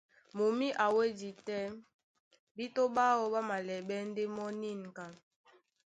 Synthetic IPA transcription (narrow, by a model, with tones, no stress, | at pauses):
mo˨mi˦ʔa˨we˦di˨tɛ˦ | bi˦to˦ɓa˦wɔ˦ɓa˦ma˨lɛ˨ɓɛ˦n̩˦de˦mɔ˦ni˦˨n˨ka˨